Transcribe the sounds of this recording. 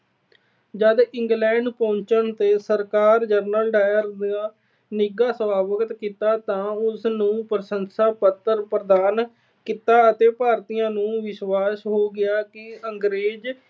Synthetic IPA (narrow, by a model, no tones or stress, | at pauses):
d͡ʒəd̪ɪŋɡlɛ̃ːɳɖpõːɲt͡ʃənt̪eːsəɾkaːɾd͡ʒəɾnəlɖaːjəɾd̪aː | nɪɡaːsʋaːʋəkt̪kiːt̪aːt̪ãːʊsnũːpɾəsənsaːpət̪ːəɾpɾəd̪aːn | kit̪aːət̪eːpaːɾt̪ijãːnũːʋɪʃwaːsɦoːɡɪaːkɪəŋɡɾeːd͡ʒ